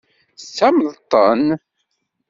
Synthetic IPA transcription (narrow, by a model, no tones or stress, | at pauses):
sæməðt̪ˤːə̰n